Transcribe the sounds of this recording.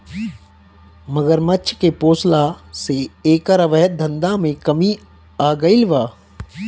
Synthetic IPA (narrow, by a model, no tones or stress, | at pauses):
mɐɡəɾmɐtːʃʰkepoːslaseeːkaɾəʋəɦət̪̚d̪ʱɐ̃nd̪amẽkɐmi | aːɡɐilʋaː